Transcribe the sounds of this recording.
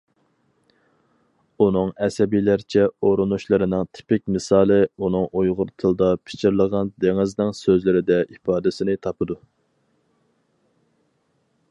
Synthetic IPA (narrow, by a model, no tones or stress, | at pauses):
unɨŋɛsɛbijlæɾt͡ʃʰɛoɾunuʃlˠɨɾɪnɪŋt̪ʰɪ̥pɪkʲmɨsɑːlˠɨunɨŋojʁʊɾt̪ʰɨlˠd̪ɑpʰɪ̥t͡ʃʰɪɾlˠəʁɑnd̪eŋɪznɪŋsøzlɪɾɪd̪ɛʔipɑːd̪ɪsɪnɪt̪ʰɑpʰɨd̪u